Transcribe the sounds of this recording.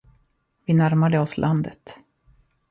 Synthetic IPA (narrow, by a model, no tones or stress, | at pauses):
vɪnæɾmad̪əɔslʔand̪ə̰t̪